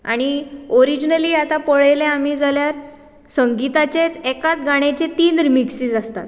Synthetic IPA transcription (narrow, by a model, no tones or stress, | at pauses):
a̰ɽ̃ioɾid͡ʑnəliːat̪apəɭejleam̤iːd͡zaljaɾ | səŋɡit̪at͡ɕet͡sekat̪̚ɡaɽ̃et͡ɕet̪iːnɾimiksiːd͡zast̪a̰t̪